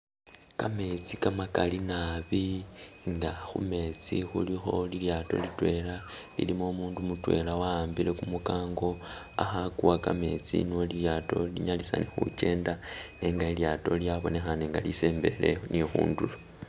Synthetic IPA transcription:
kame̞t͡sikamakalinaβiŋɡaxṵme̞t͡sixulixo̞liljaːto̞̰litwe̞lalḭlimomuːndumutwe̞̰lawaːmbile̞kumukaːŋɡo̞ | a̰xakuwakame̞t͡sḭniwoliljaːto̞liɲalisa̰nexṵce̞ːndane̞ːŋɡailjato̞ljaβo̞ne̞xane̞ːŋɡalise̞ːmbe̞le̞̰nixṵːndulo

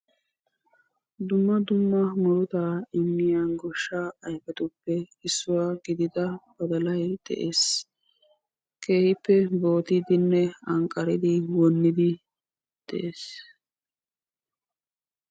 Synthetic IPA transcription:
d̪ʊmːɐd̪ʊmːɐmʊɾʊt̪aɪmːɪjanɡɔʃːaːɐjfɛt̪ʊpːɛɪsːʊwaːɡɪd̪ɪd̪ɐbɐd̪ɐlɐjd̪̥ɛ̰ʔeːs | kʰe̞ːhɪpːɛbo̞ːt̪ɪd̪ɪnːɛɐŋkʼːɐɾɪd̪ɪwɔnːɪd̪ɪ | d̪̥ɛ̰ʔeːs

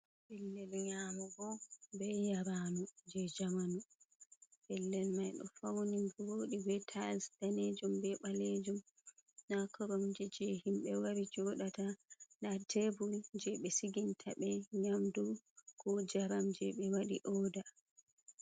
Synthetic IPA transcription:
bɛlːɛlɲamɔɡɔbɛjaɾanud͡ʒɛd͡ʒamanu | bɛlːɛlmajɗɔ̰fawnimbuwoɗibɛtʰasdaned͡ʒumbɛɓaled͡ʒum | nakɔɾamd͡ʒɛd͡ʒɛhimɓɛwaɾid͡ʒɔɗatanatebuld͡ʒɛɓɛsiɡintʰaɓɛɲamdukɔd͡ʒaɾamd͡ʒɛɓɛwaɗiʔɔːda

